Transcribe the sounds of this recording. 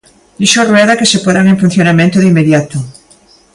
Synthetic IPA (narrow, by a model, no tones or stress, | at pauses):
d̪iʃorweðakesepoðaŋẽɱfun̟θjonamẽnt̪oðimːeðjat̪o